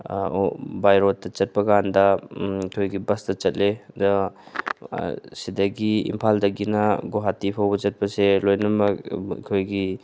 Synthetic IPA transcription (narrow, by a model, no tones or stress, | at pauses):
bajɾotːɐt͡ʃɐt̚pɐɡandɐkʰojɡibɐstɐt͡ʃɐt̚led | sidɐɡiḭmpʰaldɐɡinɐɡoɦatipʰawbɐt͡ʃɐt̚pɐselojnɐmɐ̰kʰojɡi